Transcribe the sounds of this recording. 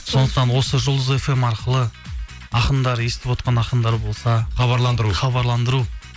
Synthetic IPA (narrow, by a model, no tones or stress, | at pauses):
so̞nd̪əq̚t̪ɑnwo̞səʒʊlˠd̪əze̞fe̞mɑɾqəlˠə | ɑqənd̪ɑɾje̞st̪ɪpwo̞t̪̚qɑnɑqənd̪ɑɾbo̞lˠsɑχɑβɑɾlˠɑnd̪əɾuχɑβɑɾlˠɑnd̪əɾu